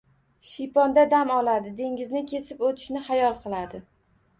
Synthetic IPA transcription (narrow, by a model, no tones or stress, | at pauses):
ʃijpɒnd̪ad̪amɒlˠad̪ɪd̪e̞ŋʲɪznɪkʲʰe̞sɪpot̪ʰɪ̥ʃnɪχajɒlˠqʰɨlˠad̪ɪ